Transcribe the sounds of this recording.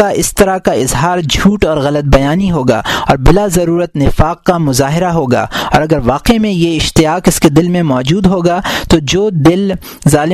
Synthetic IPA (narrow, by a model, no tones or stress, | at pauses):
aʔɪst̪ɐɾakaɪzɦaːɾd͡ʒʱuːʈɔːɾɣɐlət̪̚bɐjaːniɦoːɡa̰ːɔːɾbɪlazɐɾuːɾət̪nɪfaːqːamʊzaːɦɪɾaɦoːɡa̰ːɔ̰ːɾɐɡəɾʋaːqemẽjeɪʃt̪ɪjaːqɪsked̪ɪlmẽmɔːd͡ʒuːd̪ɦoːɡaːt̪od͡ʒoːd̪ɪl | zaːlɪ